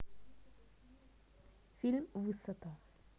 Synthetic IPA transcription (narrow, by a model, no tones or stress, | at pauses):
fɪlmwɨsˤːɑt̪ɑ